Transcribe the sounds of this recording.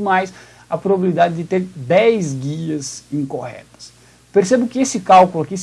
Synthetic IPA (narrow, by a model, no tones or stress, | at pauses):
majs | ɐpɾobabilid̪ad̪ɪd̪ɪt̪eɾd̪ɛjzɡiɐzĩŋkohɛ̰t̪ɐ̥s | peɾsebʊkɪesɪkawkulʊakis